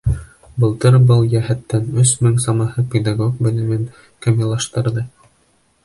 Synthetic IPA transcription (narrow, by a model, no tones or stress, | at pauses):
bɤ̆lˠt̪ɤɾbɤlˠjæɦæt̪ːænɵsmɘŋsɑmɑhɤpʲed̪aɡok̚bɘ̆lɘ̆mɘn | kɘ̆mjɤ̆lˠːɑʃt̪ɤ̆ɾðɤ